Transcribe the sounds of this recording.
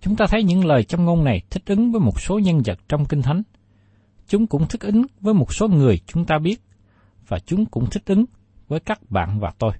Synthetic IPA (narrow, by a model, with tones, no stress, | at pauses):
t͡ɕʊ˨˦ŋ͡mt̪aː˧t̪ʰə˨˦jɲɨ̰˧˥ŋləː˨˩jt͡ɕɔ˧wŋ͡mŋo˧nna˨˩jt̪ʰï˦˥k̟̚ʔɨ˨˦ŋvəː˨˦jmo˨˩t̚so˨˦ɲə˧nzə̰˨˩t̚t͡ɕɔ˧wŋ͡mkï˧ŋ̟t̪ʰa˨˦jŋ | t͡ɕʊ˨˦ŋ͡mkʊ̰˧˥ŋ͡mt̪ʰɨ˦˥k̚ʔɨ˨˦ŋvəː˨˦jmo˨˩t̚so˨˦ŋɨ˨˩əjt͡ɕʊ˨˦ŋ͡mt̪aː˧ɓi˦˥ət̚ | vaː˨˩t͡ɕʊ˨˦ŋ͡mkʊ̰˧˥ŋ͡mt̪ʰï˦˥k̟̚ʔɨ˨˦ŋ | vəː˨˦jkaː˦˥k̚ɓa̰ː˧˨nvaː˨˩t̪o˧j